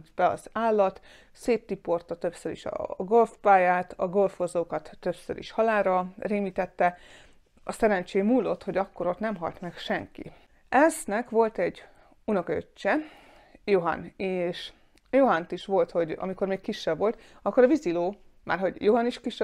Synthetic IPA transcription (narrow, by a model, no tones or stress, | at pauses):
t̪bɛɒ̰zaːlːɒt̪ | seːt̪ːipo̞rt̪ɒt̪ø̞psøɾḭʃɒ̰ɡo̞lfpaːjaːt̪ɒɡo̞lfozoːkɒt̪ːø̞bsø̰ɾḭʃhɒlaːrɾɒreːmiːt̪ɛt̪ːɛ | ɒsɛɾɛnt͡ʃeːmuːlːo̞t̪ho̞ɟɒkːo̞ɾo̞t̪nɛmɦɒ̰lt̪mɛkʃɛŋkḭ | ɛznɛkʋo̞lt̪ɛɟ | unɒkø̰t͡ʃt͡ʃːɛ | joɦɒ̰neːʃ | joɦɒnt̪iʃʋo̞lt̪ho̞ɟɒ̰miko̞rmeːkkiʃːɛbʋo̞lt̪ | ɒkːo̞ɾɒviziloːma̰ːrɦo̞ɟjoɦɒniʃkiʃɛ